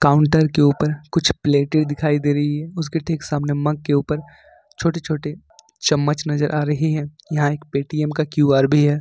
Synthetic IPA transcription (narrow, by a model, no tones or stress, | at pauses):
kaːʊ̃ɳʈəɾkeuːpəɾkʊt͡ʃʰpleːʈɪɽd̪ɪkʰaːid̪eːɾɐɦiɦɛʊs̬ɡɪʈʰeːke̥saːmnemɐ̃ɡ̚keuːpəɾ | t͡ʃʰoːʈet͡ʃʰoːʈe | t͡ʃɐmːət͡ʃnɐzəɾʔaːɾɐɦiɦɛ̃ːjɐɦãeːk̚peːʈiːɛmkakjuːaːɾbʱiɦɛː